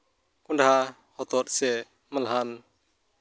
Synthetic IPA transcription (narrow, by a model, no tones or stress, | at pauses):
kundɦa | hɔt̪ɔt̪̚sɛ | malɦan